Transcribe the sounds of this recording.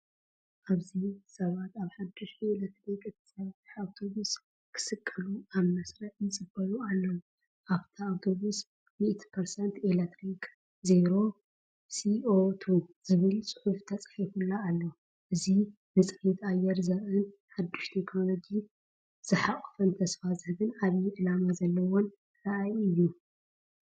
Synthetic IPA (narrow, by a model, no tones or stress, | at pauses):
ʔaβzisɐβat̪aβħad̪ːuʃt̪elet̪ɾikɨt̪ʰi̥sɐβt̪iawt̪ʰoβus | kʰɨ̥sɨkʼːɨluaβnɐsɾɐʔnɨt͡sʼɨbɐlualːɐwu | ʔaβt̪ʰiawt̪ʰo̞βus | miʔt̪pʰɐɾsɐnt̪elet̪ɾik | zeɾo̞ | siot̪ʰuzɨβɨlsʼɨ̥ħuft̪ʰɐt͡sʼħifulːaːlːɐw | ʔɨzi | mɨt͡sʼħit̪ajːɛɾzɐɾɨnħad̪ːuʃt̪ʰekno̞lo̞ɡi | z̥ɨħaʔʼfɐnt̪ʰɐsfazɨhɨɡɨnaβjiʕɨlamazɐlːɐwon | ɾaʔajɨjːu